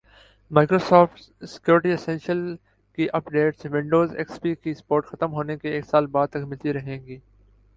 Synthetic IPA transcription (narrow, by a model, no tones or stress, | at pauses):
maːkɾoːsɔːfʈ | sɪ̥kjuːɾɪʈiɪsɛ̃nʃəl | kiʔɐpɖeːʈsʋɪ̃ɳɖoːzɛ̰kspikispoːɾʈxɐt̪əmɦoːnekeeːksaːlbaːd̪̚t̪ɐkmɪlt̪iɾɐɦẽːŋɡiː